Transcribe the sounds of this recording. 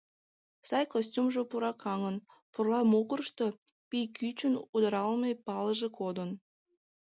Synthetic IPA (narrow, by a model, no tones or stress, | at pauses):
sɑjkosʲtʲumʒopuɾɑkʰɑŋən | purlˠɑmokərʃt̪o | pijkyt͡ɕənud̪ɑɾɑlˠmɤjpɑləʒĕkod̪ən